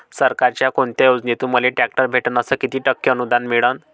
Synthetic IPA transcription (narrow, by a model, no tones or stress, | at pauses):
səɾkaɾt͡ɕjakoɳt̪jajod͡znit̪uməleʈæk̚ʈəɾbʱeʈənəsəkit̪iːʈəkːjəənud̪anmiɭən